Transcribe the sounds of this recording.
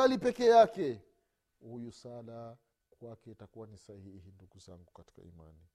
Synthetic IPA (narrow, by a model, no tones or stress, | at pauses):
alipɛkɛjakɛ | hujusala | kwakɛitakuwanisahiihinduɡuza̰ŋɡukati̥ka̰ima̰ni